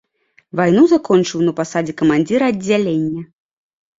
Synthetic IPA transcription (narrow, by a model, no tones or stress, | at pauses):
vajnuzakɔnt͡ʂɨwnɐpasad͡zʲɛkɐmanʲd͡zʲiɾɐɐdd͡zʲːalʲenʲːɐ